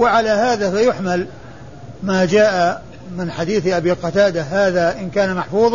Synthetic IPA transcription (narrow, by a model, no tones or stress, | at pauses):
wɪʕalaːhaːðaːfajʊħmal | maːd͡ʒaːʔa | mɪnħad̪iːθʔabiːqɑt̪aːd̪aɦaːðaʔɪnkaːnamaħfuːðˤ